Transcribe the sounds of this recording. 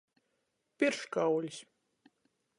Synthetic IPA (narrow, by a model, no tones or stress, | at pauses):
pʲiɾʃkawlʲis